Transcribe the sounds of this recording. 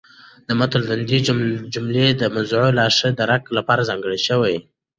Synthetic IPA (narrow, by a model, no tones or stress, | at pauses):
d̪əmat̪ald̪and̪id͡ʒʊmled̪əmazʕolɑʂəd̪əɾaklapɑɾazɑŋɡəɽiʃəwaj